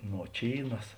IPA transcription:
noːˈt͡ʃʲiːnɐs

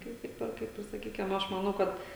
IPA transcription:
ˈkɐɪp tʲɪk ˈpʲɛr ˈkɐɪp ɪr sɐˈkʲiːkʲɪm ˈɐʃ mɐˈnɐʊ ˈkɐt

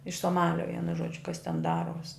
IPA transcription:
ɪʃ soːˈmɑːlʲoː ˈʋʲiɛnʊ ˈʒuɔd͡ʒʲʊ kɐs tʲɛn ˈdɑːruɔsʲ

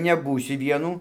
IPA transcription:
nʲɛˈbuːsʲʊ ˈʋʲiɛnuː

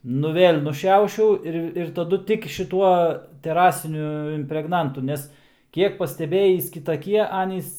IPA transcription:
ˈnʊ ˈʋʲeːlʲ nʊˈʃʲɛʊʃʲɛʊ ˈɪr ɪr tɐˈdʊ ˈtʲɪk ʃʲɪˈtuɔ tʲɛˈrɑːsʲɪnʲʊ ɪmʲpʲrʲɛɡˈnɐntʊ ˈnʲɛs ˈkʲiɛk pɐsʲtʲɛˈbʲeːjiːs kʲɪtɐˈkʲiɛ ˈɑːnʲiːs

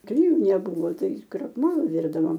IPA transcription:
klʲɪˈjuː nʲɛˈbuːʋoː ˈtɐɪ krɐkˈmoːlˠoː ˈʋʲɪrdɐʋoːm

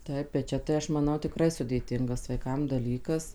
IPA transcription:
ˈtɐɪp bʲɛt ˈt͡ʃʲɛ tɐɪ ˈɐʃ mɐˈnɐʊ tʲɪˈkrɐɪ sʊdʲeːˈtʲɪŋɡɐs ʋɐɪˈkɐm dɐˈlʲiːkɐs

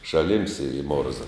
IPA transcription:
ʃɐˈlʲɪms ɪr ɪ ˈmoːrzɐ

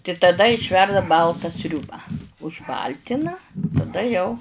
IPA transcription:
tɐɪ tɐˈdɐ ɪʃʲˈʋʲɛrdɐ ˈbɐlˠtɐ ˈsʲrʲuːbɐ ʊʒˈbɐlʲtʲɪnɐ tɐˈdɐ jɛʊ

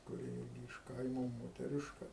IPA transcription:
kʊˈrʲɪ ˈɪrʲɡʲɪ ɪʃ ˈkɐɪmoː moːtʲɛˈrʲɪʃkɐ

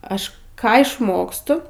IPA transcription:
ˈɐʃ ˈkɑː ɪʃˈmoːkstʊ

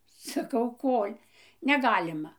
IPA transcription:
sɐˈkɐʊ ˈkoːlʲ nʲɛˈɡɑːlʲɪmɐ

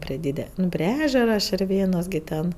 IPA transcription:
pʲrʲiɛ ˈdʲiːdʲɛ ˈnʊ pʲrʲiɛ ˈæːʒʲɛrɐ ʃʲɪrʲˈʋʲeːnoːs ɡʲɪ ˈtʲɛn

